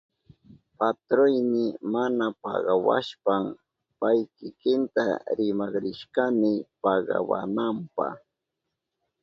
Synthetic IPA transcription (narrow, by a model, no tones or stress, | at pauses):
pat̪ɾojnɪmanapɑ̰ɢɑwa̰ʃpam | pajkɪkɪnt̪aɾɪmɑχɾɪʃkɑmɪpɑɢɑ̰wa̰nampɑ̰χ